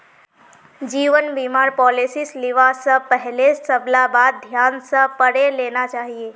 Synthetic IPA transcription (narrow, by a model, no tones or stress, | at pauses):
d͡ʒiːʋənbimaːɾpɔːlisislɪʋasəpɛɦlesəblabaːd̪̚d̪ʱjaːnsə̃pəɽeleːnat͡ʃaːɦieː